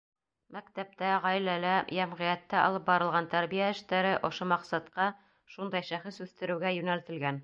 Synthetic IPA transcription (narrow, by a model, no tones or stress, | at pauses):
mækt̪æp̚t̪æʁɑjlælæjæmʁĭjæt̪ːæɑ̰lˠɤp̚bɑɾɤlˠʁɑnt̪æɾβijæɘ̆ʃt̪æɾɘʔŏʃomɑqsɑt̪qɑ | ʃund̪ɑjʃæχɘsʉθt̪ɘ̆ɾɘ̆wɡæjʉnælt̪ɘ̆lɡæn